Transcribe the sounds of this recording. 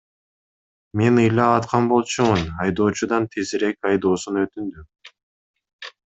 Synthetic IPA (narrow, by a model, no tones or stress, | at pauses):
me̞nɯjlˠɑɑt̪qʰɑnbo̞lˠt͡ʃumunɑjd̪o̞ːt͡ʃud̪ɑnt̪ʰeziɾe̞kɑjd̪o̞ːsunøt̪ynd̪y